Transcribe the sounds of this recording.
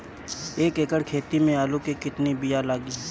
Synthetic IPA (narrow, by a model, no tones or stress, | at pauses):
eːkeːkəɽkʰeːt̪imẽaːlukikɪt̪nibɪjalaːɡi